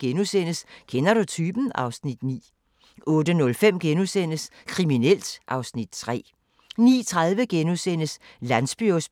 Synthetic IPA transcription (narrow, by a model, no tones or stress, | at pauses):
ɡ̥enusen̰əskʰenɐɾut͡sʰyːb̥n̩ɑ̈ʊsnid̥nḭː | ʔɔ̽ːd̥ənɔ̽lfem̰ɡ̥enusen̰əskʰʁiminel̰d̥ʔɑ̈ʊsnid̥̚t͡sʰʁɛ̰ː | nḭːt͡sʰʁað̞ˠʋəɡ̥enusen̰əslænsb̥yos